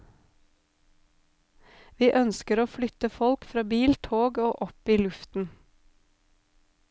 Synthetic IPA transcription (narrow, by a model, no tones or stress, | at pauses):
ʋiːʔœnskəɾoːflʏt̪əfɔlkfɾɑːbiːlt̪ʰoːɡoːʔɔpiːlʉft̪n̩